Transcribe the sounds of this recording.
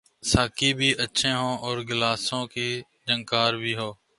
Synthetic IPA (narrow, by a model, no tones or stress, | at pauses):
saːkiːbʱiːʔətːʃʰẽːɦõːʔɔːɾɡɪlaːsõːkiː | d͡ʒəŋkaːɾbʱiːɦoː